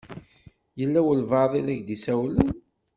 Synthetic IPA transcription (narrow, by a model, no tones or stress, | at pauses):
jəlːæwəlvɑðˤilæʝd̪isæwlən